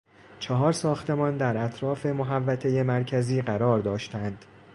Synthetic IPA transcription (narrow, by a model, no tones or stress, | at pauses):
t͡ʃʰɒɦɒːɾsɒːxt̪e̞mɒːnd̪æɾæt̪ʰɾɒːfe̞moɦævːæt̪ʰe̞je̞mæɾcʰæziːɢæɾɒːɾd̪ɒːʃt̪ænd̪̥